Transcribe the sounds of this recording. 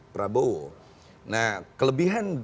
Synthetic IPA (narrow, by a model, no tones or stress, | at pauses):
pəɾabow | nahkələbiɦan